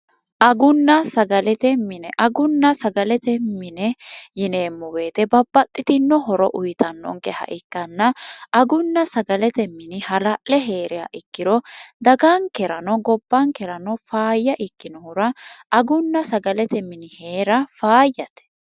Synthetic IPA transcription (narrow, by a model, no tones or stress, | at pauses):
ʔɐɡʊnːɐsɐɡɐlɛt̪ɛmɪnɛʔɐɡʊnːɐsɐɡɐlɛt̪ɛmɪnɛjɪneːmːʊwe̞ːt̪ɛbɐbːɐt̪ʼːɪt̪ɪnːɔɦɔɾɔ̰ʔʊjt̪ɐnːɔ̰ŋkɛhɐ̰ʔɪkːɐnːɐɐɡʊnːɐsɐɡɐlɛt̪ɛmːɪnɪhɐlɐʔlɛɦe̞ːɾɪja̰ːʔɪkːɪɾɔd̪ɐɡaŋkɛɾɐnɔɡɔbːɐŋkɛɾɐnɔfaːjːɐʔɪkːɪnɔhʊɾɐʔɐɡʊnːɐsɐɡɐlɛt̪ɛmɪnɪhe̞ːɾɐfaːjːɐt̪ɛ̥